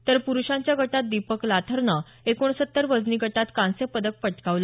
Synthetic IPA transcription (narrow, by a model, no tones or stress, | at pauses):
t̪əɾpuɾuɕãɲt͡ɕjaɡʱəʈat̪̚d̪ipəklat̪ʰəɾnə | ekoɳ̃sət̪ːəɾʋəd͡zniɡʱəʈat̪kãnsepəd̪ək̚pəʈkaʋlə